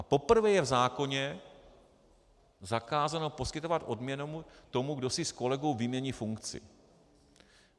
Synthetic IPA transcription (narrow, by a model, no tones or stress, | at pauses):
ʔapo̞pr̩vɛjɛvzaːko̞ɲɛ | zakaːzano̞po̞skɪt̪o̞vat̪ʔo̞dmɲɛnomut̪o̞muɡdo̞sɪsko̞lɛɡowvimɲɛɲifuŋkt͡sɪ̰